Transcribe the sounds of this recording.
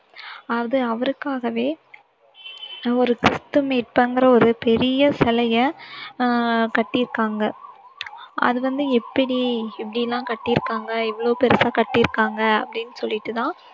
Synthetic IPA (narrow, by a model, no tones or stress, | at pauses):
ɐʋɐðɯɐʋɐɾɯkːaːɣɐʋeː | ɔɾɯkɾɪst̪ɯmeːʈ̚pɐŋɡɐɾɐɔɾɯpɛɾɪjɐsɛlɐjɐ | kɐʈːɪɾɯkːaːŋɡɐ | ʔɐ̰ðɯʋɐnd̪ɯɛpːɐɽiɛpːɐɽɪjɛlːãːkɐʈːɪɾɯkːaːŋɡɐɛʋɐɭoːpɛɾɐsaːkɐʈːɪɾɯkːaːŋɡɐɐpːɐɽɪnːɯsɔlːɪʈːɯt̪ãː